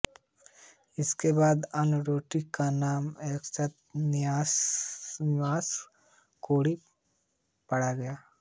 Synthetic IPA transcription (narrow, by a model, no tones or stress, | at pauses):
ɪskebaːd̪ɐnɾoːʈikanaːmeːksɐt̪nɪaːsnɪʋaːs | koːɽi | pɐɽaɡɐjaː